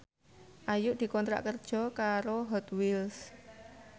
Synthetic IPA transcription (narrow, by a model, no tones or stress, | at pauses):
ʔajʊʔd̪̥i̤kɔnt̪ɾa̰ʔkərd̥ʒ̥ɔ̤kaɾoɦɔt̪wils